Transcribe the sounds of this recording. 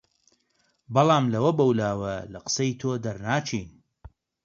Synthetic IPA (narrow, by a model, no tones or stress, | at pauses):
bɐlˠɑːmlɐwɐbɐwlaːwɐlɐqə̥sɐjt̪ʰoːd̪ɐɾnaːt͡ʃʰiːn